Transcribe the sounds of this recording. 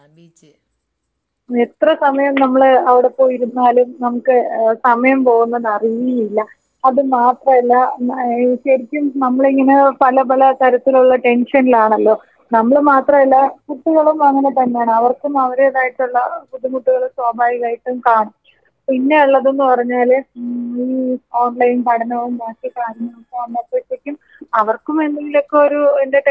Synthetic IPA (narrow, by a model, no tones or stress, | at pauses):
et̪rɐsɐmɐjɐmnɐmːɐɭɐʋiɽe̞po̞ːjiɾunːaːlumnɐmukːɨsɐmɐjɐmpo̞ːɣunːɐðɐrijiilːɐ | ɐðɨmaːt̪rɐmɐlːɐ | ɕɐɾikʲːumnɐmːɐɭiŋːɐne̞pɐlɐp̬ɐlɐt̪ɐɾɐt̪ːiluɭːɐʈe̞nʂɐnilaːɳɐlːo̞ː | nɐmːɐɭmaːt̪rɐmɐlːɐkut̪ːuɣɐɭumɐŋːɐnet̪ɐnːejaːɳɨɐʋɐrkumɐʋɐɾeɐðaːjiʈːuɭːɐpuðimuʈːuɣɐɭswaːbʱaːʋiɣaːjiʈːumkaːɳɐm | pinːe̞uɭːɐðe̞nːupɐrɐɲːaːl | iːoːɳɖlɐjinpɐʈʰɐnɐʋumbaːsikːɭaːnɐnɐmkːɐɐnːɐp̪ːet̪ːikʲːum | ɐʋɐrkumenːiŋɡilo̞kːe̞o̞ɾuende̞